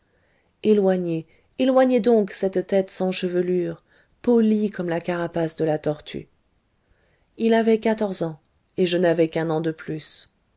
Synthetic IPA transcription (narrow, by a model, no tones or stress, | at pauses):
elwaɲe | elwaɲɛd̪ɔ̃ksɛt̪t̪ɛt̪sɑ̃ʃəvəlyʁ | polikɔmlakaʁapasd̪əlat̪ɔʁt̪ʰy̰ | ilavɛkat̪ɔʁzɑ̃ | eʒənavɛkɛ̃nɑ̃d̪əplys